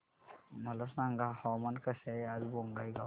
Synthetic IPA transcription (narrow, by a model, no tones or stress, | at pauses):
məlɔsnaŋɡahɔmankəsajazbɔŋɡajɡa